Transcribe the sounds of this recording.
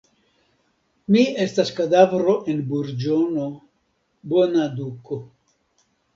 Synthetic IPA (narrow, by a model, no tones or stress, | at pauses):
mie̞staskad̪avɾo̞ʔe̞nbuɾd͡ʒono | bonad̪uko